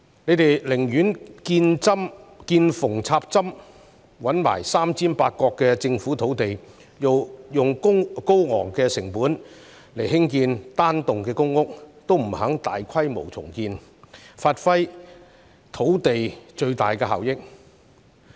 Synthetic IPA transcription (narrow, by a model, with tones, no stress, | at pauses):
ne˨˧jt̪e˨jlɪ˨˩ŋjyː˨˥nkiː˧nt͡sɐ˥mkiː˧nfʊ˨˩ŋt͡sʰaː˧p̚t͡sɐ˥m | wɐ˨˥nma̰ː˨˩jsaː˥mt͡sʰiː˥npaː˧t̚kɔː˧kːɛː˧t͡sɪ˧ŋfuː˨˥t̪ʰo˨˥wt̪e˨j | jo˨wjʊ˨ŋʊ˥ŋko˥wŋɔ̰ː˨˩ŋkɛː˧sɪ˨˩ŋpuː˨˥n | le˨˩jɦɪ˥ŋkiː˧nt̪aː˥nt̪ʊ˨ŋkɛː˧kʊ˥ŋːʊ˥k̚t̪o˥wm̩˨˩ɦɐ˨˥ŋt̪a̰ː˨jkʰɐ˥jmo̰˨˩wt͡sʰʊ̰˨˩ŋkiː˧n | faː˧t̚fɐ˥j | t̪ʰo˨˥wt̪e˨jt͡ʃɵ˧ɥt̪a̰ː˨jkɛː˧ɦa̰˨wjɪ˥k̚